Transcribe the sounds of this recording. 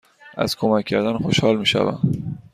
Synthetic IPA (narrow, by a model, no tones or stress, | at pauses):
ʔæ̰z̥kʰomæcʰːæɾd̪ænxoʃhɒːlmiːʃæ̰væ̰m